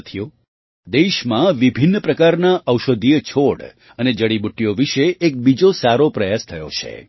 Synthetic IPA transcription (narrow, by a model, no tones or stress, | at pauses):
t̪ʰijo | d̪eʃmãʋibʱinːpɾəkaɾnaʔəwʃəd̪ʱijət͡ʃʰoɽ | əned͡ʒəɽibuʈːijoʋiʃeːk̚bid͡ʒosaɾopɾəjast̪ʰəjo̰t͡ʃʰḛ